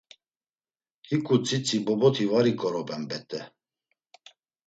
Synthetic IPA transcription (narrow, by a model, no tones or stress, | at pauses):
hikʰʼut͡sʰʼit͡sʰʼibɔbɔt̪ʰivaɾikʼɔɾɔbʼɛmbɛt̪ʼɛ